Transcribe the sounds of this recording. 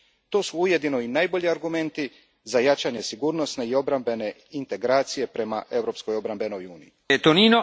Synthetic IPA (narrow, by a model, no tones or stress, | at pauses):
t̪o̞ːsuuje̞d̪ino̞inajbo̞ʎiaɾɡume̞nt̪i | zajat͡ʃaɲe̞siɡuːɾno̞sne̞io̞bɾambe̞ne̞ | int̪e̞ɡɾaːt̪sije̞pɾe̞ma̰ʔe̞vɾo̞pskojo̞bɾambe̞no̞juːnḭjiet̪oniːno